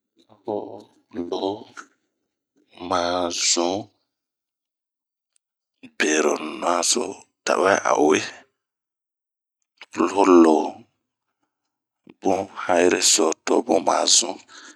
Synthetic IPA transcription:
lo˦ho˦ | lo˨˦ | mã˨zũ˦ | be˨ɾo˨nõ˨˦ã˦so̰˦ | ta̰˨wɛ˦ʔa̰˨˦e˦ | lo˦o˦lo˨˦ | bũ˦ha˦ji˦ɾe˦sɔ˨to˦bũ˦mã̰˨zũ˦

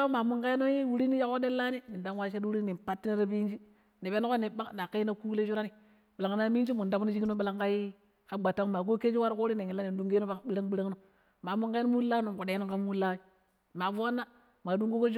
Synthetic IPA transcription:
a˦ma˨mu˦ŋka˦i˦no˦ji˦wu˦ɾi˦ni˦ja˦ko˦de˦lːa˦ni˦ni˨nda˦ŋwa˦ʃe˦dwu˦ɾi˦ni˨mpa˦tːi˦na˦ɾa˦bi˦d͡ʒi˦ | ni˨be˦n˦ko˦ni˨ba˦kna˨ka˦i˦na˦ku˦le˦d͡ʒu˦ɾa˦ni˨ | ɓla˨ŋ˨na˦mi˦d͡ʒi˦mu˨nda˨˦ku˦no˦d͡ʒi˦ki˦no˦bi˦la˦ŋka˦ji˦ | ka˦ɡ͡ba˨tːa˦ŋ˦ma˨ɡo˦ke˦d͡ʒi˦wa˦ɾko˦ɾi˦ni˨ŋi˨la˦ni˨n˦du˦ŋɡe˦o˦ba˦˨ɓi˦ɾa˦ŋbi˦ɾa˦ŋno˨ | ma˨mu˦ŋka˦i˦no˦mu˦la˦no˨ku˨de˨˦no˦ŋka˦mu˦la˦wi˦ | ma˨vu˦a˦nːa˦ | ma˨du˦ŋɡo˦ko˦d͡ʒ

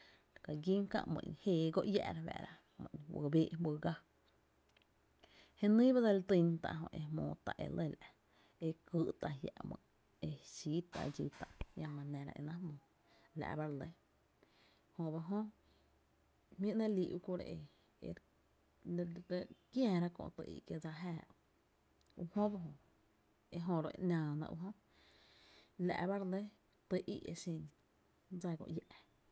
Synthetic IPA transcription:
ɾka˨ɡi˦ŋkã̰˧ʔmə̰̃˧˨ɲ˧heː˧˨ɡo˦ʔja˧ʔɾa˧bæ̰˧˨ɾa˧ | mə̃˧˨ɲwə̰˧beː˦ʔbə˧ɡa˦ | he˦nĩː˦ba˦d̪a˧lt̪i˧nt̪a̰˧ʔɦõ̰˧˨ʔe˧mõ̰ː˧˨t̪a˧˨ʔḛ˨le˦˨l | e˧kɨ˧˦ʔt̪a˨ja̰˨ʔmə̰̃˧˨ | e˧ʃi˦t̪a˧˨d͡ʒi˧t̪a˨ʔjã˧mã˧nẽ˧ɾa̰˧ʔe˧nã˦mõː˨ | la̰˧˨ba˦ɾle˧˦ | hõ˧ba˧ɦõ˦ | mĩ˦ʔnã˦liː˧ʔu˧ku˧˦ɾḛ˧ʔe˧ | ḛ˨ɾ | ɾə˧kjãː˧˨ɾa˦kõ̰˧t̪ə˧ʔḭ˧ʔkje˧d͡za˧ɦaː˧˨ | u˧hõ˦ba˧ɦõ˧ | e˧ʔɦõ˧ɾo˧e˧ʔnʲãː˧˨nã̰˧ʔṵ˧ɦõ˦ | la̰˧ʔba˦ɾle˦ | t̪ə˧ʔḭ˦ʔe˧sĩ˧n | d͡za˧kõ̰˧ʔja˧ʔ

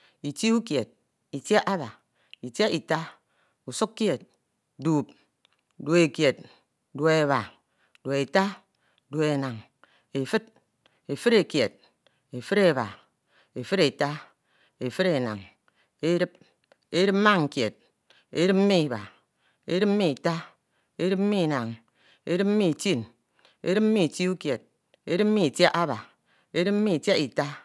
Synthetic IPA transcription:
i˨ti˦u˦kje˨t̚ | i˨tja˦ʔa˦ba˨ | i˨tja˦i˨ta˦ | u˨su˦kkːje˨t̚ | duː˨p̚ | do˨e˨kje˨t̚ | dwo˨e˨βa˨ | do˨e˨ta˦ | dwo˨˦e˨na˨ŋ | e˨fɨ˦t̚ | e˨fɨ˦ɾe˨kje˨t̚ | e˨fɨ˦ɾe˨βa˨ | e˨fɨ˦ɾe˨ta˦ | e˨fɨ˦ɾe˨na̰˨ŋ | e˦ɾɨ˦p̚ | e˦ɾɨ˦p̚m̩˦ma˦ŋŋ̩˨kje˨t̚ | ḛ˦ɾɨ˦m̩˦mi˦i˨ba̰˨ | e˦ɾɨ˦p̚m̩˦i˦i˨ta˦ | e˦ɾɨ˦p̚m̩˦i˦˨na˨ŋ | ḛ˦ɾɨ˦p̚m̩˦i˦˨ti˦˨n | ḛ˦ɾɨ˦p̚m̩˦i˦˨ti˦u˦kje˨t̚ | e˦ɾɨ˦p̚m̩˦i˦i˨tja˦ʔa˦ba˨ | e˦ɾɨ˦p̚m̩˦mi˦˨te˦i˨ta˦

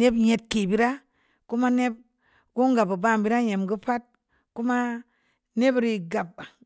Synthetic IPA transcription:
ne˦bɲe˨t̚ke˨bi˦ɾa˦ | ku˦ma˦ne˦p̚ | ɡu˦ŋɡa˨ba˨ba˦˨mbi˦ɾa˦ɲe˨mɡu˦pa˦t̚ | ku˦ma˦ | ne˦bɾi˨ɡa˨p̚ːa˨

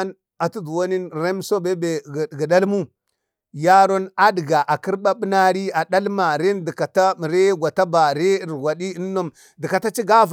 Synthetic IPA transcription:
n | a˨tu˦du˨wo˦ni˦n˨ɾe˦m˦so˦be˦be˨ɡɡi˨da˦lmu˦ | ja˦ɾo˦na˦di˨ɡa˨ʔa˨ki˦ɾɓa˦ɓi˦na˦ɾi˦a˨da˦lma˨ɾe˦n˦di˨ka˨ta˦˨ɾe˦ɡʷa˨ta˦ba˨ɾe˦˨ɾɡʷa˨ɗi˦i˦nː˦o˦m | di˨ka˨ta˦t͡ʃi˦ɡa˦v

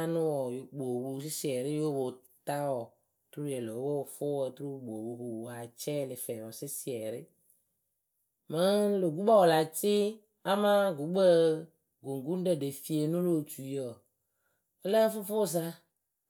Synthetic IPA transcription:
nʊ̃˦wɔ˨jo˨ɡ͡bo˨wu˦s̬ɪ˦si˨ɛ˨ɾɪ˦jo˦bo˨ | t̪a˦wɔ˨ | tɾu˦ɛ˨lo˨˦wo˦˨fʊ˦wɔ˨tɾu˦˨ɡ͡bo˨bu˨ku˨a˨t͡ʃɛ˦˨lɪ˨fɛ˨ɔ˨sɪ˦si˨ɛ˨ɾɪ˦ | mə˦lo˨ɡu˦ba˦wɔ˨la˨t͡ʃɪ˦ | a˦ma˦ɡu˨˦ɡ͡bə˦ | ɡo˨ŋ˨ɡu˦n˦dɛ˦˨de˨fi˨e˨nũ˦lo˨t͡ʃu˨i˦ɔ˨ | o˦lɛ˦fʊ˦fʊ˦˨za˦

